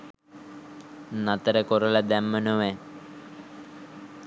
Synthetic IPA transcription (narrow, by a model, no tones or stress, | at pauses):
nat̪əɾəkoɾələd̪æmːənoʋɛ